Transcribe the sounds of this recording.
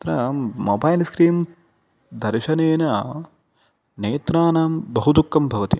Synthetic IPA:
t̪ɾɐmoːbɐjlskɾiːm | d̪ʱɐɾʃɐneːnɐ | neːt̪ɾaːnaːmbɐɦud̪ukːɐmbʱɐʋɐt̪i

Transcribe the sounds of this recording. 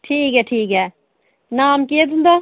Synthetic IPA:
ʈʰiːkɦɛʈʰiːkɦɛː | naːmkiet̪und̪a

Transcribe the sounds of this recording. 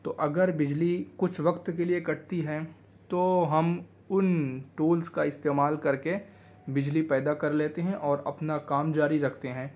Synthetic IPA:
t̪oːʔɐɡəɾbɪd͡ʒlikʊt͡ʃʰʋɐkt̪keliekɐʈ̚t̪iɦɛ̃ː | t̪oːɦɐm | ʊnʈuːlskaɪst̪eːmaːlkɐɾke | bɪd͡ʒlipɛːd̪akɐɾleːt̪eɦɛ̃ʔɔːɾɐ̰pnakaːmd͡ʒaːɾiɾɐkʰt̪eɦɛ̃ː

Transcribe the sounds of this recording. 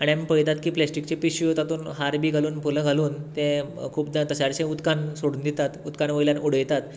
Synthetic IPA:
aɽ̃amipəjt̪at̪kiːplɛsʈik̚t͡ɕepiɕiɦot̪at̪uːnɦaɾbʱiːɡʱaluːnpulə̃ɡʱaluːnt̪ẽkʰuːpd̪at̪əɕaɾt͡ɕẽut̪kansoɽuːnd̪it̪at̪ut̪kanʋəjljanuɽəjt̪at̪

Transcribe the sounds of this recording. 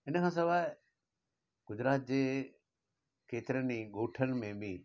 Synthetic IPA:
ɪnəkʰãːs̬ɐʋaːɪ | ɡ̥ʊd͡ʑɾaːt̪̚d͡ʑeː | keːt̪ɪɾəniɠoːʈʰən̆mẽbĩ

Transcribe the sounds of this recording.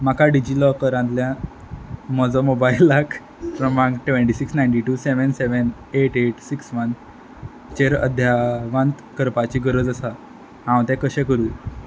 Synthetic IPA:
makʰaɖid͡ʑilɔkəɾãnt̪ljã | mɔd͡zɔmobailːakʰ | pɾəmãŋɡʈʋẽɳʈisiksnajɳʈiʈuseʋənseʋən | eʈeʈsiksʋən | t͡ɕeɾə̰d̪ʱjaʋãnt̪kəɾpat͡ɕiːɡəɾəd͡zəsa | ɦãwt̪ɛ̃kəɕɛ̃kəɾuːj

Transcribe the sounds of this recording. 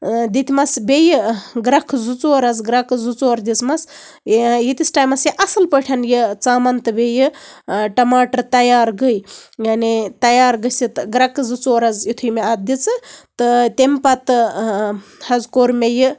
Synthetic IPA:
d̪it̪ʰʲmɐsbʲejɨɡɾɐkʰzut͡soːɾɐzɡɾɐkzut͡soːɾd̪ʲit͡smɐs | jit̪ʲisʈaːjmɐsjiʔɐsɨlpəʈʰɐnjit͡saːmɐnt̪ɨbejɨʈɐmaːʈɐɾt̪ɐjaːɾɡəjjanit̪ɐjaːɾɡəsit̪ɡɾɐkɨzut͡soːɾɐzit̪ʰujmeɐt̪̚d̪it͡sɨt̪ɨt̪empɐt̪ɨ | hɐzkoːɾmejɨ

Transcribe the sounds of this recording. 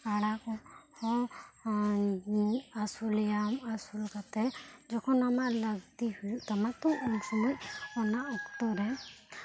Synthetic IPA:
aɽakɔhɔ̃ | asulɛjamasulkat̪ɛd͡ʒɔkʰɔnamaʔlaɡt̪ihujuʔt̪amat̪ɔʔɔnsɔmɔc̚ɔnaʔɔkt̪ɔɾɛ

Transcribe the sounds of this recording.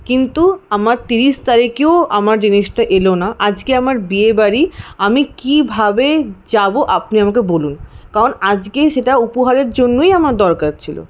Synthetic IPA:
kint̪uamaɾt̪iɾiʃt̪aɾikeoamaɾd͡ʑiniʃʈaʔelonaʔad͡ʑkeamaɾbiebaɾiamikibʱabed͡ʑaboʔapniamakebolunkaɾonad͡ʑkeʃeʈaupoɦaɾeɾd͡ʑonːoijamaɾd̪ɔɾkaɾ̚t͡ɕʰilo̰

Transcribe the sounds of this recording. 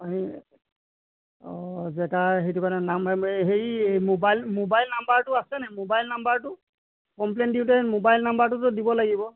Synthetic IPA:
aɦi | ɔzɛtaɦejtʊkanɛnamɦejmobajlmobajlnambaɹtʊasɛnɛmobajlnambaɹtʊ | kɔmplɛndiʊtɛmobajlnambaɹtʊtʊdibɔlaɡibɔ

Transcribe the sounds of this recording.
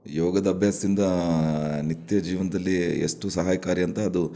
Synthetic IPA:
jɔːɡɐd̪ɐɐbʱjaːsɐd̪ind̪ɐ | nit̪jɐd͡ʒiːʋɐnɐd̪ɐlːiḛʂʈusɐɦaːjɐkaːɾiɐnt̪ɐːd̪u

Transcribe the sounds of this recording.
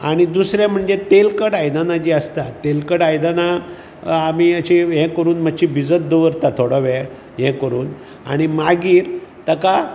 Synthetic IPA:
aɽ̃id̪usɾɛm̤əɳd͡zet̪elkəɽajd̪anad͡ʑiəst̪at̪ːelkəɽajd̪ana | amiət͡ɕiɦɛ̃kəɾuːnməɕibid͡zət̪̚d̪əʋəɾt̪at̪ʰoɽɔʋɛ | ɦɛ̃kəɾuːn | a̰ɽ̃imaɡiːɾt̪əka

